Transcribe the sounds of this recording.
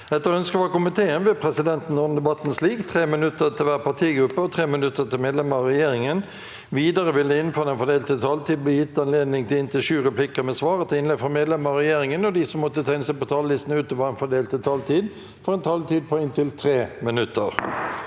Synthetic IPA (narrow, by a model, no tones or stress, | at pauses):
ɛt̪ːəʁɔœnskəʋɑkʊmɪt̪ʰeːənʋɪpʰʁɛsɪd̪ɛnt̪n̩ːɔːnəd̪ɛbɑt̪ːn̩sliːɡt̪ʰʁeːmɪnʉt̪ːət̪ʰɪlʋæːʁpɑt̪ʰiːɡɾʉpːəɔt̪ʰʁeːmɪnʉt̪ːət̪ɪlmeːd̪lɛməɾɑʁɛjeːɾɪŋən | ʋiːd̪əɾəʋɪld̪ɛɪnføːld̪ɛnfɔd̪eːlt̪ət̪ʰɑːlt̪ʰiːd̪̚blɪːjɪt̪ːɑnleːd̪nɪŋt̪ʰɪlɪnt̪ʰəʃʉːʁɛplɪkəmɛsʋɑːʁət̪ɪɪnlɛd̪fɔmeːd̪lɛməɾɑʁɛjeːɾɪŋənɔd̪ɪsɔmːɔt̪ːət̪ʰæɪnəsɛɪpɔt̪ʰɑːləlɪst̪n̩ʉːt̪ɔpɑɛnfɔɖ̪eːlt̪ət̪ʰɑːlt̪ʰiːd̪ | fɔɾɛnt̪ʰɑːlt̪iːd̪̚pʰɔɪnt̪ʰɪlt̪ʰʁeːmɪnʉt̪ːəɾ